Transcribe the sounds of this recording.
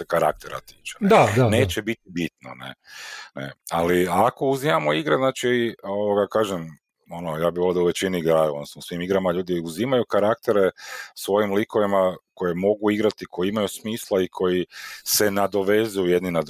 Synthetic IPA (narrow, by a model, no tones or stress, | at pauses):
ekaɾa̰k̚t̪eɾa̰t̪iːt͡ʃenaaneːt͡ʃebit̪ibit̪no̰nḛnḛaliako̞uzimamoiɡɾznaːt͡ʃioʋoɡakaːʒem | onojaːbiβold̪auʋe̞t͡ʃiniiɡɾaːjuod̪nosnousʋimiɡɾamaʎuːd̪iuzimajukaɾak̚t̪e̞ɾesʋo̞jimliko̞ʋimako̞je̞mo̞ɡuiɡɾat̪ikʰo̞jiimajusmiːslˠaikʰo̞jisenad̪o̞ʋe̞zujujed̪ninad̪